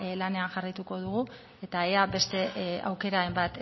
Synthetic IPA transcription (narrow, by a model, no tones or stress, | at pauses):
lane̞aŋʝarajt̪uko̞ð̞uɣu | e̞t̪aeabe̞st̪e̞a̰wke̞ɾaembat̪